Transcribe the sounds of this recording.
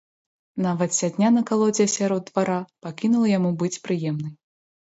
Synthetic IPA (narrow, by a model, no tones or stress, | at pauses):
navɐt̪sʲad̪ʲnʲanɐkalˠɔd͡zʲɛɐsʲaɾɔd̪ːvaɾapakʲinulˠɐjamubɨt͡sʲpɾɨjɛmnɨj